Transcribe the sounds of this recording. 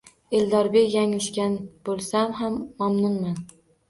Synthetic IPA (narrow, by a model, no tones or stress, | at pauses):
eld̪ɒɾbekʲjaŋɪʃkʲanb̥olˠsamɦamːamnʊnman